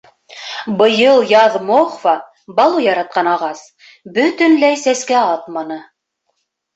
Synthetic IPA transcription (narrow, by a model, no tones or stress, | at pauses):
bɤ̆jɤlˠjɑðmoχfɑ | bɑlˠujɑɾɑt̪̚qɑnɑʁɑs | bɵt̪ɵ̆nlæjsæskæɑt̪mɑnɤ